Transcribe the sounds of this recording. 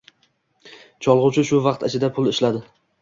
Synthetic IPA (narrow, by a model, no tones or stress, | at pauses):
t͡ʃʰɒlˠʁʊt͡ʃʰɪʃʊvɑqt̪at͡ʃʰɪd̪apʰʊlˠɪʃlad̪ɪ